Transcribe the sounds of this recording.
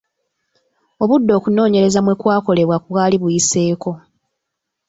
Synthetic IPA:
o̞βudːo̞ːkuno̞ːɲe̞ɾe̞zamwe̞kwaːko̞le̞βwakuβwaːliβujise̞ːko̞

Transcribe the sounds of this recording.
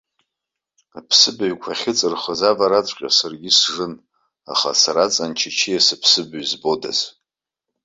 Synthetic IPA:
apʰsɨbɥkʷʰaχʲɪt͡sʼɨrχəzavaɾat͡sʷʰʼqʲʼa̰sarɡʲɪsʐɨn | a̰χa̰saɾat͡sʼant͡ʃʰit͡ʃʰijasɨpʰsɨbɥzbo̞da̰z

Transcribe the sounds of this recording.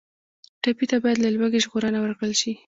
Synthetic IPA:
ʈapit̪abɑjad̪lalwaɡeʒɣoɾənawəɾkɽəlʃi

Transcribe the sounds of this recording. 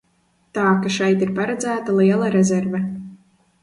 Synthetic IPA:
t̪aːkaʃɛjt̪iɾpaɾad̪zæːt̪alˠiɛlˠaɾɛzɛɾvɛ

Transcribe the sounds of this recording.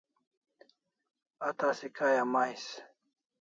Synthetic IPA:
ɐt̪aːsikaːjamajs

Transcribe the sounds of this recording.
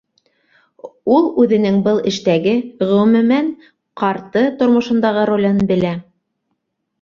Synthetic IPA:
ulˠʉðɘ̆nɘŋbɤlˠɘ̆ʃt̪æɡɘʁɵ̆wɘ̆mɘ̆mæn | qɑɾt̪ɤt̪ŏɾmŏʃɤ̆nd̪ɑʁɤɾolʲɤnbɘ̆læ

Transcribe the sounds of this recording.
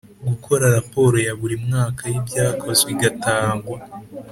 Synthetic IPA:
ɡukʰo̞ɾaɾapo̞ːɾo̞jaβuɾimŋaːkajibɟaːkʰo̞zeβiɡataːŋɡwa

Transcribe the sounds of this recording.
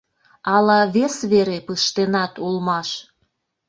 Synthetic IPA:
ɑlɑβesβeɾepəʃt̪enɑt̪ulmɑʃ

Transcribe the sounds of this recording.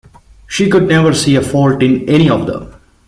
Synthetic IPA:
ʃiːkʊɖ̚nɛʋəɾsiːefɔːlʈɪ̃nɛñiɔʋd̪ə̰̃m

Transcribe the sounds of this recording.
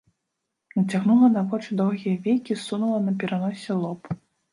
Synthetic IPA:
nɐt͡sʲaɣnulˠɐnavɔt͡ʂɨd̪ɔwɣʲijɐvʲejkʲisunulˠɐnɐpʲɛɾanɔsʲɛlˠɔp

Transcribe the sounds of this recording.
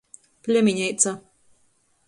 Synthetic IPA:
pʲlʲɛmʲiɲʲɛjt̪sa

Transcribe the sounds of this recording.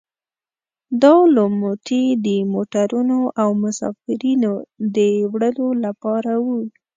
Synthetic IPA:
d̪ɑləmot̪ʰid̪əmoʈaɾunoʔawmʊsɑ̰fɪɾinod̪əwɽəlolapɑɾawu

